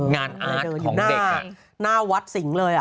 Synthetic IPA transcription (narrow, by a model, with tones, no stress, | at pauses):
ŋaː˧na˧˩˦əː˧juː˨˦˩naːde˨˧ | naː˥˩wa˦˥t̪̚si˩˦ŋlɤː˧jʔa˨˩